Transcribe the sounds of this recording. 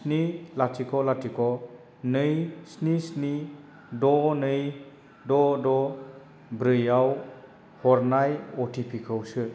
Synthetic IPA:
snilatʰikʰɔlatikʰɔ | nɯjsnisni | dɔnɯj | dɔdɔ | bɾɯjaw | hɔɾnajɔtʰipʰikʰɯwsɯ

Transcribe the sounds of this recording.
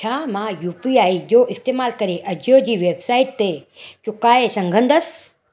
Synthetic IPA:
t͡ɕʰaːmãjuːpiaːid͡ʑoːʔɪst̪eːmaːlkɐɾeʔɐd͡ʑʱjod͡ʑiːʋeːbsaːɪʈ̚t̪et͡ɕʊkaːesɐ̃ŋɡʱə̃nd̪əs

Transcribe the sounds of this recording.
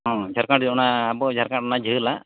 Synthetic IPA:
ɦɔ̃d͡ʒʱaɾkaʈd͡ʒɔnaːbɔd͡ʒʱaɾkaʈ̚ɔnad͡ʒəla

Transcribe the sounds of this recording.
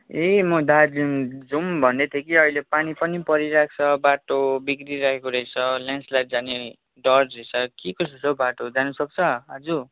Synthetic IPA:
emʌd̪alimd͡zumbʱʌnd̪et̪ʰjekiʌilepanipʌnipʌɾiɾakʰt͡sʰʌbaʈobikriɾakʰekoɾʌjt͡sʰʌljãnslaʈ̚d͡zane | ɖʌrd͡zet͡sʰʌkikʌsusʰobaʈod͡zanusʌk̚t͡sʰʌɦʌd͡zu

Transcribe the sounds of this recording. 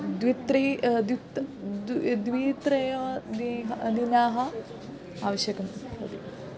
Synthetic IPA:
d̪ʋit̪ɾid̪it̪dd̪ʋiːt̪ɾɐjɐd̪iɦd̪inaːɦɐ | a̰ːʋɐʃjɐkɐmɐ̰t̪i

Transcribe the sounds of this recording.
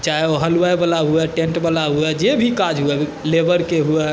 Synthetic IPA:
t͡ʃaeoɦəluwajbəlaɦuɛʈẽɳʈbəlaɦuɛd͡ʒebʱikad͡ʒɦuɛ | lebəɾkeɦuɛ

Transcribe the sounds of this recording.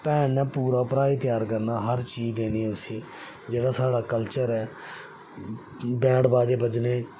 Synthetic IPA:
pɛːnɛ̃ːpuːɾaːpɾaːit̪ɪjaːɾkəɾnaːɦəɾt͡ʃiːd͡ʒd̪eːniːʊsĩː | d͡ʒeːɽaːsaːɽaːkəlt͡ʃəɾɛː | bɛ̃ːɽbaːd͡ʒeːbəd͡ʒneː

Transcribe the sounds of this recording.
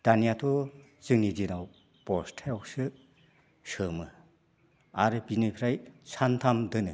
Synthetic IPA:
d̥anijatʰɔ | z̥ɯŋnizinaw | pɔstʰejɔwsɯ | sɯmɯ | aɾɯbinɯjpʰɾajsʰantʰamdɯnɯ

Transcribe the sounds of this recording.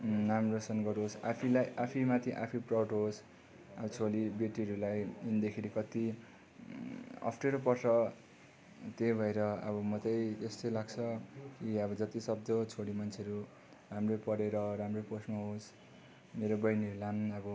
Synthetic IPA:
namrosʌnɡʌɾɦosa̰pʰilajʔapʰimat̪ʰiʔa̰pʰiprawʈɦos | ʌbʌt͡sʰolibeʈiɾulajind̪ekʰiɾikʌt̪i | ʌ̰pʰʈeɾopʌrt͡sʰʌ | t̪ebʱʌeɾʌʌ̰bʌmʌt̪ʌjt̪est̪ʌjlaɡt͡sʰʌkiʌbʌd͡zʌt̪isʌb̚d̪ʌt͡sʰoɽimʌnt͡sʰeɾu | ramropʌɾeɾʌɾamroposmʌɦos | meɾobʌjniɾulanʌbʌ

